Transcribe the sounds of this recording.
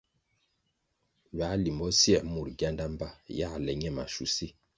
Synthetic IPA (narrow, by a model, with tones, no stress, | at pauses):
ɥa˨˦li˨mbɔ˦sjɛ˦˨mu˨ɾɡja˦nda˦m˦ba˦ja˦˨lɛ˨ɲɛ˦˨ma̰˨ʃṵ˨si˦